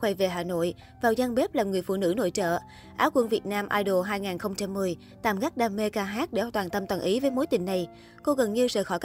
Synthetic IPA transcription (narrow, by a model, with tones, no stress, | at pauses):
xwɛ˧˩ve˨˩ɦaː˨˩no̰˧˨j | vaː˨˩wzaː˧ŋɓe˦˥p̚laː˨˩mŋɨ˨˩əjfṵ˧˨nɨ̰˧˥no̰˧˨jt͡ɕə̰ː˧˨ | ʔaː˨˦wkwə˧nvi˨˩ət̚naː˧mʔaː˧jɗo˨˩ɦaː˧jŋaː˨˩nxə˧wŋ͡mt͡ɕa˧mːɨ˨˩əj | t̪aː˧˨˩mɣa˦˥k̚ɗaː˧me˧kaː˧ɦaː˦˥t̚ɗḛ˧˩˧t̪waː˨˩nt̪ə˧mt̪waː˨˩nʔi˨˦vəː˨˦jmo˨˦jt̪ï˨˩ŋ̟na˨˩j | ko˧ɣə˨˩nɲɨ˧səː˧˨˩xɔ˧˩jk